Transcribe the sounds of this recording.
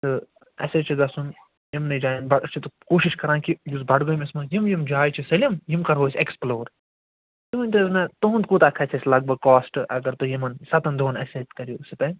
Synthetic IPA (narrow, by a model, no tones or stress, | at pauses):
t̪ɨ | ɐ̰set͡ʃʰid̪ɐsun | jimnɐd͡ʒaːjinbɐt͡ʃʰit̪ukoːʃiʃkɐɾãːkijusbɐɖɡomesmɐ̃jimjimd͡ʒaːjt͡ʃʰisɐlʲimjimkɐɾɦoːsʲeksploːɾ | t̪uɦunʲt̪ɐznat̪ɐɦũnt̪kut̪ɐkʰɐt͡ʃʰɐsʲlɐɡ̚bɐɡ̚kːaːsʈʔɐ̰ɡɐɾt̪ɨjimɐnsɐt̪ɐnd̪ʱoːnɐset̪kɐɾjuːsit̪ɐ